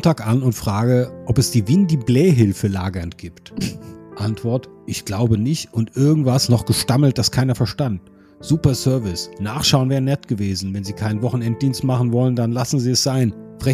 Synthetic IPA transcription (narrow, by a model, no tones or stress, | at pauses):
ntaːkʔanʊntfʁ̥aːɡəʔɔpɛsd̥iːvɪndiːblɛːɦɪlfəlaːɡɐnɡ̥iːptʔantv̥ɔɐtʔɪçɡ̥laʊbənɪçtʊntʔɪɐɡŋ̩tv̥asnɔχɡ̥əʃtaml̩t̚d̥askʰaɪnɐfɛɐʃtant̚ | z̥uːpɐsœɐvɪsnaːχʃaʊnvɛːʁənɛtɡ̥əveːzn̩vɛnziːkʰaɪnvɔχn̩ɛnt̚d̥iːnstmaχn̩vɔləndanlasn̩ziːɛsz̥aɪn | fʁ̥ɛ